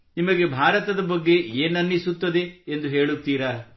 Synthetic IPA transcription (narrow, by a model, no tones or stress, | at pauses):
nimɐɡe̞bʱaːɾɐt̪ɐd̪ɐbɐɡːe̞eːnːɐnːisut̪ːɐd̪e̞ːnd̪uɦe̞ːɭut̪ːiːɾɐ